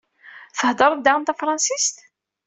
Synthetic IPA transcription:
θəhd̪ˤəɾˤəðd̪aʁənt̪æfɾˤɑnsist̪

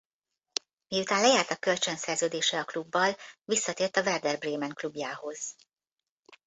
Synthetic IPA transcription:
mijut̪aːnlɛjaːrt̪ɒkːø̞lt͡ʃønsɛrzøːd̪eːʃɛɒklubːɒlvisːɒt̪eːrt̪ɒvɛrd̪ɛrbreːmɛŋklubjaːho̞z̥

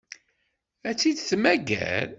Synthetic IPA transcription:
æt͡sːid̪θmæɡæ̰l

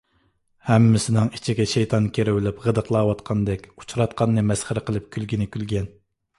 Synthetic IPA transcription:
hɛmːɪsɪnɨŋi̥t͡ʃʰiɡʲɛʃejt̪ʰɑnkʲeɾɪwɪlɪpʁəd̪əqlˠɑːwɑt̪qʰɑnd̪ɛkʲu̥t͡ʃʰɾɑt̪̚qʰɑnːɨmɛsχəɾɨqəlˠɨp̚kʲʰylɡʲinɪkʲylɡʲɛn

